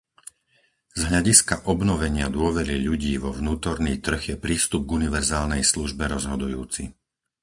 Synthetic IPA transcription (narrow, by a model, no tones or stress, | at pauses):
z̥ɦʎaɟiskaʔɔbnɔʋɛɲɪad̪ʊɔʋɛɾiʎuɟiːʋɔʋnuːt̪ɔɾniːt̪r̩ɣjɛpɾiːst̪ub̚ɡuniʋɛɾzaːlnɛjsluʒbɛɾɔzɦɔd̪ujuːt͡si